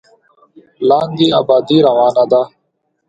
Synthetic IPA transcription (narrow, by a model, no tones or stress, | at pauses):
laːnd̪iːa̰ːbaːd̪iːɾəʋaːnaːd̪aː